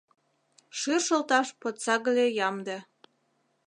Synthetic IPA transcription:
ʃyrʃəlt̪ɑʃpot̪sɑɣəlʲejɑmd̪e

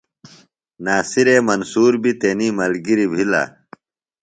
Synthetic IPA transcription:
naːsiɾeːmɐnsuːɾbʱit̪enimɐlɡiɾibʱila̰ː

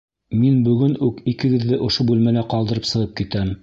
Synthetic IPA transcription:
minbɵ̆ɡɘnʉkikɘ̆ɡɘ̆ðːɘʔŏʃobʉlmælæqɑlˠd̪ɤ̆ɾɤpsɤ̆ʁɤp̚kit̪æm

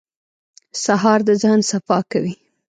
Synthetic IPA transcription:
saɦɑɾd̪əzɑnsafɑkawi

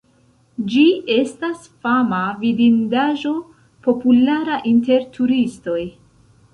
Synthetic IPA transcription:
d͡ʒie̞stas | famavidindaʒo̞ | po̞pulaɾaʔinte̞ɾtʰuɾisto̞j

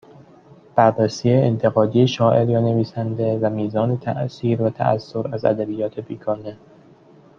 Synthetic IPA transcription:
b̥ærːesiːjeent̪ʰe̞ɣɒːd̪ijeʃɒːʔe̞ɾjɒːne̞viːsænd̪evæmiːzɒːnet̪ʰæ̰ʔsiːɾvæt̪ʰæ̰ʔæ̰sːoɾæzæ̰d̪æbijːɒːt̪ʰe̞biːkʰɒːne

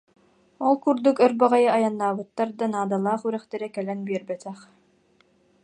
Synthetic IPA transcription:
ɔlˠkuɾd̪ukœɾbɛʁɛjaajanːaːbɯt̪ːaɾd̪anaːd̪alˠaːχyɾɛχt̪ɛɾɛkɛlɛnbiɛɾbɛt̪ɛχ

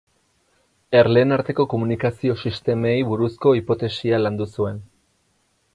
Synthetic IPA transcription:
e̞ɾle̞ːnaɾt̪e̞ko̞ko̞munikasio̞sist̪e̞mejβuɾusko̞ipo̞t̪e̞sialand̪usue̞n

